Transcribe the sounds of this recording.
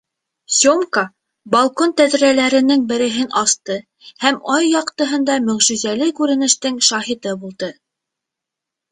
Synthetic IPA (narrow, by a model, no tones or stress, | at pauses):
sʲomkɑ | bɑlˠkont̪æðɾælæɾɘ̆nɘŋbɘ̆ɾɘ̆ɦɘnʔɑst̪ɤ | hæmɑjːɑqt̪ɤ̆ɦɤ̆nd̪ɑmɵ̆ʁʒʉzælɘkʉɾɘ̆nɘ̆ʃt̪ɘŋʃɑɦit̪ɤbulˠd̪ɤ